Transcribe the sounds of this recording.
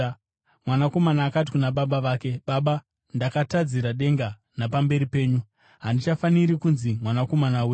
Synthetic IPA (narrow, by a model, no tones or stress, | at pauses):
mwanako̞manaːkat̬i̥kunaɓaɓaʋaːke̞ɓaɓa | ndakatad͡ziɾaɗe̞ŋɡa | napambe̞ɾipe̞ːɲu | ɦandit͡ʃafaniɾikunzimwanako̞manawe